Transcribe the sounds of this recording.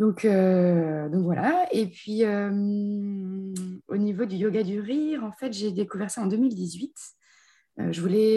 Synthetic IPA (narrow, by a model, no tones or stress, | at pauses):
d̪ɔ̃kʰød̪ɔ̃kvwalʔaepɥiøm | o̰nivod̪yjoɡad̪yʁiʁɑ̃fɛt̪ʒed̪ekuvɛʁsaɑ̃d̪ømild̪izɥit̪ | ø̰ʒəvulɛ